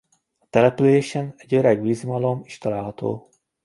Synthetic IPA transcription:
ɒ̥t̪ɛlɛpyleːʃɛnɛɟøɾɛɡʋizmɒlo̞miʃt̪ɒlaːlɦɒt̪o̰ː

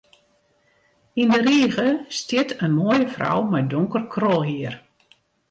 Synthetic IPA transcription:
indəɾiːɣəstɪtʰənmoːjəfra̰wmɛjdoŋkərkʰrɔlˠɦiər

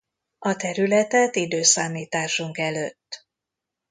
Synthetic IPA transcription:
ɒt̪ɛɾylɛt̪ɛt̪id̪øːsaːmiːt̪aːʃuŋkɛløːt̪ː

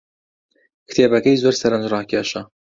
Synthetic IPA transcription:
kʰɨ̥t̪ʰeːbɐkɐjzoːɾsɐɾɐnd͡ʒrɑːkʲʰeʃɐ

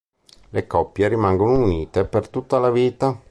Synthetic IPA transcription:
lekɔpːjeɾimaŋɡonouniːt̪epert̪ut̪ːalaviːt̪a

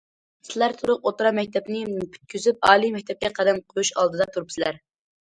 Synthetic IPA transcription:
sɪlæɾt̪ʰuɾʊq̚ot̪ɾɑmɛk̚ʲt̪ʰɛpnɪpʰy̥t̪̚kʲʰyzyp̚ɑːlˠimɛk̚ʲt̪ʰɛp̚kʲɛqʰæd̪æmqʰojuʃɑ̰lˠd̪ɨd̪ɑt̪ʰuɾupsɪlæɾ

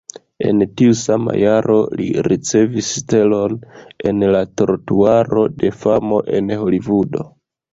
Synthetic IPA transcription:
e̞̰ntiusama̰jaɾo̞lḭɾit͡se̞viste̞lo̞ne̞nlato̞ɾtuaɾo̞de̞famo̞ʔe̞nho̞livudo̞

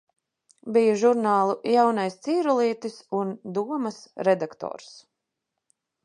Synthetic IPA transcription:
bijuʒuɾnaːlˠujawnajst̪siːɾulˠiɛt̪isund̪uɔmasɾɛd̪akt̪ɔ̰ːɾs

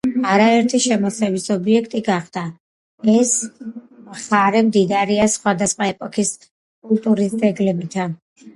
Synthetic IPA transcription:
aɾaɛɾt̪ʰiʃɛmɔsɛvisɔbiɛkʰt̪ʼiɡaχd̪̥a | ɛs | mχaɾɛmd̪id̪aɾiasχwad̪asχwaɛpʼɔkʰis | kʼult̪ʼuɾisd̪zɛɡlɛbit̪ʰa

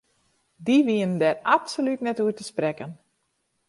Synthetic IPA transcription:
diʋiənndɛratsolytnɛtuətəsprɛkən

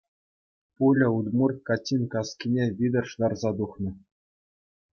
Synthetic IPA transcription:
pulʲɘ̆ud̪murkɑtʲːinʲkɑskʲinʲeʋʲid̪ɤ̆rʂd̪ɑrzɑd̪uχnɤ̆

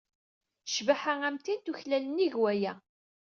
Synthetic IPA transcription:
ʃvaħaæmt̪int̪uçlæləniʝwæjæ

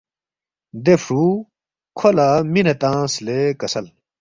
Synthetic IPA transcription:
d̪efɾuː | kʰolaminɐt̪ãːslekɐsɐl

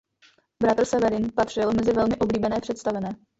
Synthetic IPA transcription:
bɾat̪r̩sɛvɛɾɪnpat̪r̝̥ɪlmɛzɪvɛlmɪʔo̞bliːbɛnɛːpr̥ɛt̪st̪avɛnɛː

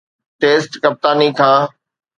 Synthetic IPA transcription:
ʈeːsʈkɐp̚t̪aːnikʰãː

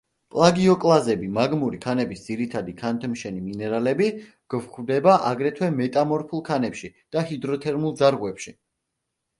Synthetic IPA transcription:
pʼlˠaɡiɔkʼlˠazɛbimaɡmuɾikʰanɛbisd̪z̥iɾit̪ʰad̪ikʰant̪ʰmʃɛniminɛɾalɛbi | ɡ̥vχʰwd̪ɛbaʔaɡɾɛt̪ʰwɛmɛt̪ʼamɔɾpʰulˠkʰanɛpʃid̪̥ahid̪ɾɔt̪ʰɛɾmulˠd̪zaɾʁwɛpʃi

